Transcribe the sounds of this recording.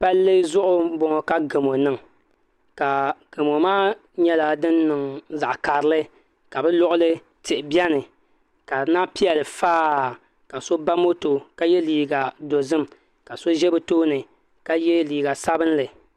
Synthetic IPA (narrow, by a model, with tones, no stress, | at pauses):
pa˦lːe˦zʊ˦ʔʊ˨bɔ˨ŋɔ˨ka˦ɡɨ˨mo˨nɨ˦ŋ | ka˨ɡ̥ɨ˨mo˨maː˦ | ɲɛ˦la˦dɨ˦nːɨ˨ŋza˨ʔka˨ɾɨ˦lɨ˦ | ka˨bɛ˦lʊ˦ʔʊ˦lɨ˦ | tɪ˨ʔɪ˨bɛ˦nɨ˨ | ka˨naː˦pi˦ɛ˨lɨ˨faː˦ | ka˨so˦ba˦mo˦to˨ka˦jɛ˦liː˨ɡa˨do˨zɨ˦m | ka˨so˦ʒɛ˦bɨ˨toː˦nɨ˨ | ka˦jɛ˦liː˨ɡa˨sa˦bɨ˦nlɨ˨